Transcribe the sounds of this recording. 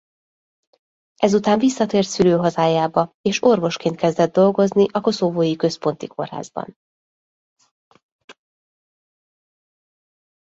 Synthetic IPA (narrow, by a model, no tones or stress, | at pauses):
ɛzut̪aːɱvisːɒt̪eːrt̪syløːɦɒzaːjaːbɒeːʃo̞rvo̞ʃkeːnt̪kɛzd̪ɛd̪dːo̞lɡo̞zniʔɒko̞soboːjikø̞spo̞nt̪ikʰo̞̰rha̰ːzbɒ̰n